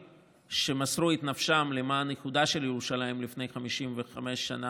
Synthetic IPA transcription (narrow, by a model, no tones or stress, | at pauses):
ʃe̞masʁuit̪nafʃamlemaːnekud̪aʃe̞ljeʁuʃalajmlifnejχamiʃimve̞χame̞ʃːa̰na